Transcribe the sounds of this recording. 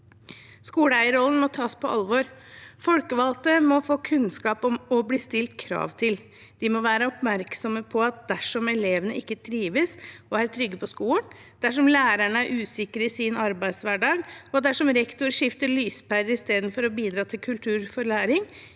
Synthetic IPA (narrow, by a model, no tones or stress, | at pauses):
skuːləæɪəɾɔlnmɔt̪ʰɑːspʰɔʔɑlʋɔɾfɔlkəʋɑlt̪əmɔfoːkʰʉnskɑːpɔmɔbliːst̪ɪlt̪kʰɾɑ̰ːʋt̪ʰɪl | d̪̥ɪmɔʋæːɾəɔpmæɾksɔməpʰɔɑt̪̚d̪æʂɔmɛleːʋənəɪkːət̪ʰɾiːʋəsɔæɾt̪ʰɾʏɡːəpʰɔskuːln | d̪̥æʂɔmlæːɾæɳəæɾʔʉːsɪkəɾəɪsɪnɑɾbæɪd̪sʋæɖɑːɡɔd̪æʂɔmɾɛkt̪ʊɾʂɪft̪əɭyːspæɾəɾɪst̪eːd̪nfɔɾɔbiːd̪ɾɑːt̪ʰɪlkʰʉlt̪ʰʉːɾfɔɾɭæːɾɪŋ